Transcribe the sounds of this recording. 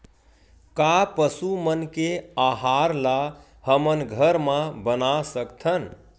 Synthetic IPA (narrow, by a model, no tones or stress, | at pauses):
kapəsumənkeaɦaɾla | həmənɡʱəɾmãbənasəkt̪ʰən